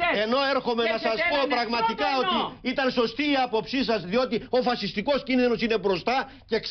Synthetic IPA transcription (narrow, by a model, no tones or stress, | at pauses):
e̞no̞e̞ɾxo̞me̞nɐsɐspo̞pɾɐɣmɐt̪ikɐo̞t̪iit̪ɐnso̞st̪iːɐpo̞psisɐzðio̞t̪io̞fɐsist̪iko̞scinðino̞sine̞bɾo̞st̪ɐ | ce̞k